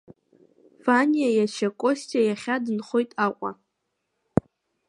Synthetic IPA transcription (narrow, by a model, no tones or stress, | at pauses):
vanijajat͡ʃʰakʷʼostʰʼiajaχʲadɨnχojtʼaqʷʼa̰